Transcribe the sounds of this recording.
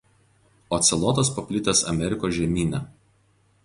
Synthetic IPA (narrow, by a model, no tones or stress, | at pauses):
oːt̪sʲɛlˠɔt̪ospɐpʲlʲɪt̪ʲɛsɐ̰mʲɛɾʲɪkoːsʒʲɛmʲiːnʲɛˑ